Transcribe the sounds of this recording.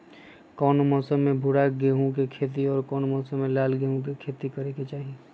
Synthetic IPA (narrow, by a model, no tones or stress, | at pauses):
kɔːnomɔːsəmːẽbʱʊɽaɡeːɦõkekʰeːt̪̬iɔːɾkɔːnmɔːsəmːẽlaːlɡeːɦõkikʰeːt̪ikɐɾeket͡ʃaːɦie